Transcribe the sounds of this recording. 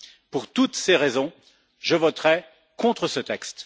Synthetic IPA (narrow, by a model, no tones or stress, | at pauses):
puʁt̪ut̪seʁɛzɔ̃ | ʒəvɔt̪ʁɛ | kɔ̃t̪χəsət̪ɛkst̪